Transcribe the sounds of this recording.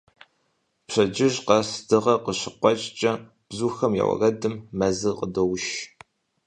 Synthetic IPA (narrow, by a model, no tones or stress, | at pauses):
pɕɐd͡ʒɪʒqɐsdɨʁɐqəɕɪqʷɔt͡ʃʼt͡ʃʼɐ | b̥zuːxɐmja̰wɐ̰rɐdɨmːɐzɨqədowʃ